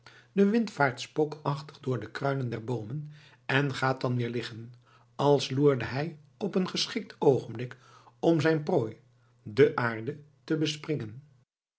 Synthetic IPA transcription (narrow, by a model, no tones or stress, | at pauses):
d̥əʋɪntfaːɹtspokɑχtəχdʊːɹdəkrœɥnəndɛɹbowmən | ɛnχaːt̚ɑnʋɪːɹlɪχən | ɑlˠsluːɹdəɦɛj | ɔpənχəsχɪk̚towχənblɪk | ɔmzɛjnproːj | dəʔaːɹdə | təbəsprɪŋən